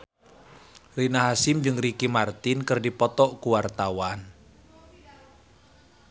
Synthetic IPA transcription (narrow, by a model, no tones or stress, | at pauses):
rinaɦasɪmd͡ʒɨŋrikimart̪ɪnkərdipɔt̪ɔʔkuwart̪awan